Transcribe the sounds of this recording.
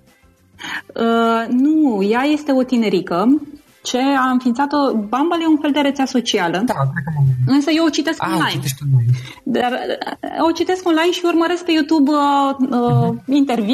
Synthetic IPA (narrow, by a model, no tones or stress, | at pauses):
ənujaje̞st̪e̞o̞t̪ine̞ɾikə | t͡ʃe̞aɨnfint̪sat̪o̞bambaljeunfe̞ld̪e̞ɾet̪seaso̞t͡ʃialəakɾekəɨnsəjeot͡ʃit̪e̞skoonlajneskonlaj̪ | d̪arot͡ʃit̪e̞skonlajnʃiurməɾe̞sk̚pe̞jut̪ubəəint̪e̞rvi